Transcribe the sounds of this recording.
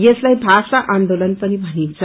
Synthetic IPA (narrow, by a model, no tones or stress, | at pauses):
jeslaibʱasaʔand̪olənpənibʱənint͡s